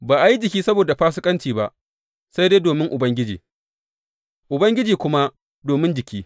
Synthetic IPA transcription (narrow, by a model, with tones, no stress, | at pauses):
baː˨ʔa˨ji˦d͡ʒɪ˨kʲiː˦sɐ˦boː˨da˨ɸaː˦sɪ˦kʼɐ˦nt͡ʃiː˨ba˦ʔ | sa˦jde˦doː˨mɪ˦ŋʔʊ˨bɐ˦ŋɡʲɪ˦d͡ʒḭː˨ | ʔʊ˨bɐ˦ŋɡʲɪ˦d͡ʒiː˨kʷʊ˦ma˦ | doː˨mɪ˦nd͡ʒɪ˨kʲiː˦